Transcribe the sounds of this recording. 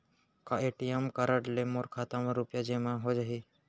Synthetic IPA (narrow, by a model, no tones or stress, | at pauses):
kaeːʈijəmkaɾəʈlemoːɾkʰaːt̪ãmẽɾupjad͡ʒeːmãɦod͡ʒaɦiː